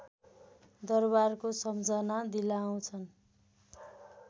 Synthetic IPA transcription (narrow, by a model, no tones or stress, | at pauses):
d̪ʌrbarkosʌmd͡zʌnad̪ilaːw̃t͡sʰʌn